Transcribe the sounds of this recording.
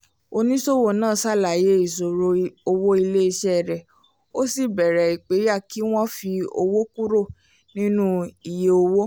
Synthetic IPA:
o˧nĩ˦so˦˨wo˦˨nãː˦˨sa˦˨la˨je˨˦i˦˨so˨ɾo˧o˧wo˦i˧le˦i˧ʃɛ˦˨ɾɛ˨ | o˦si˦˨bɛ˨ɾɛ˨i˨k͡pe˨˦ja˦˨ki˨˦w̃ɔ̃˦fi˧o˧wo˦ku˦ɾo˦˨ | nĩ˦nũ˦i˨je˨o˧wo˦

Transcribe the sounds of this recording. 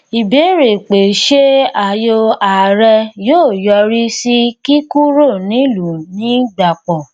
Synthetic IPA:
i˨be˨˦ɾe˨k͡pe˨ʃe˦a˨jo˧a˨ɾɛ˧joː˦˨jɔ˧ɾi˦si˦ki˦ku˦ɾo˦˨nĩ˨˦lu˨nĩ˦ɡ͡ba˨k͡pɔ˨

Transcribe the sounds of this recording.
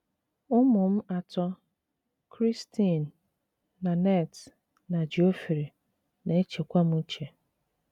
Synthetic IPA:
ʊ˦mʊ˨m̩˦a˨tɔ˦ | kʰɾi˦stʰi˦˨n̩ː˨ | a˨nɛ˦˨t | na˨d͡ʒi˨o˦fi˨ɾi˨ | ne˨e˦t͡ʃe˨kʷa˦m̩˦t͡ʃe˨

